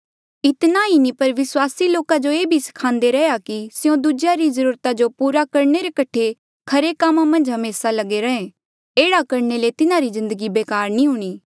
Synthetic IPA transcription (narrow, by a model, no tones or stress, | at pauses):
ɪt̪nainipɐɾʋɪswaːsiloːkad͡ʒoeːbʱisɐ̥kʰãːnd̪eɾɛjakisɪjõd̪ud͡ʒjaɾizəɾuːɾt̪ad͡ʒopuːɾakɐɾneɾekɐʈʰe | kʰɐɾekaːmamɐ̃nd͡ʒɦɐmeːsalɐɡeɾɐɦẽ | eːɽakɐɾnelet̪ɪnãɾizɪ̃nd̪əɡibeːkaːɾnĩɦuːɽ̃iː